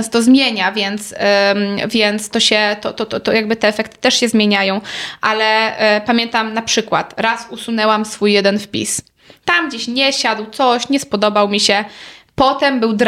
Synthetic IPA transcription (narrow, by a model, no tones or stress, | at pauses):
st̪ɔzmʲjeɲavʲjɛnt̪s | vʲjɛnt̪st̪ɔɕɛt̪ɔt̪ɔt̪ɔt̪ɔjaɡbɘt̪ɛːfɛkt̪ɘ̥t̪ɛʂɕɛzmʲjeɲajɔ̃w̃ʔalɛpamʲjɛnt̪amnapʂɘkwa̰t̪ɾasusunɛwamsfujːjɛd̪ɛnfpʲḭs | t̪amɡd͡ʑeɕɲɛɕad̪wt̪sɔɕɲɛspɔd̪ɔbawmʲiɕɛpɔt̪ɛmbɘwd̪ɾ